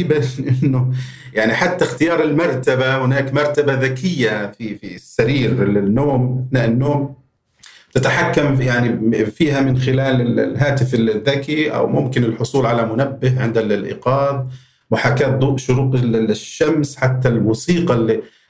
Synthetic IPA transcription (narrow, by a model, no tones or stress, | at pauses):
ɪbanʔɪnːʊjaʕniħat̪ːaxt̪ɪjɑːɾˤɪlmɑɾˤt̪abahɪnaːkmɑɾˤt̪abaðakʰɪjːafifisːaɾiːɾlɪnːoːmɪθnaːʔɪnːoːm | t̪at̪aħakːamjaʕnifiːhamɪnxɪlaːlɪ̰lɦaːt̪ɪfɪlɪðːakiʔa̰wmʊmkɪnɪlħʊsˤuːlʕalamʊnabːɪɦʕɪnd̪allʔɪ̰qɑːðˤ | wʊħakaːt̪̚d̪ˤuːʔʃʊɾuːqlʃːamsħat̪ːalwɑsiːqɑlːi